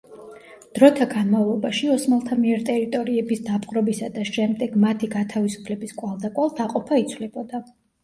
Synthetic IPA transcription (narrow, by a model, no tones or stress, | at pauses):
d̪̥ɾɔt̪ʰaɡanmavlˠɔbaʃiɔsmalˠt̪ʰamiɛɾt̪ʼɛɾit̪ʼɔɾiɛbisd̪apʰʼqʼɾɔbisad̪aʃɛmd̪ɛɡmat̪ʰiɡat̪ʰavisu̥pʰlɛbiskʼwalˠd̪akʼwalˠt̪ʰaqʼɔpʰait̪sʰwlɛbɔd̪a